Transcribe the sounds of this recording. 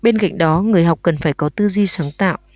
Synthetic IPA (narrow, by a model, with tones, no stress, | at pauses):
ɓe˧nka̰˧˨jŋ̟ɗɔ˨˦ŋɨ˨˩əjɦa˨˩wk͡p̚kə˨˩nfaː˧˩jkɔ˨˦t̪ɨ˧zi˧saː˨˦ŋt̪a̰ː˧˨w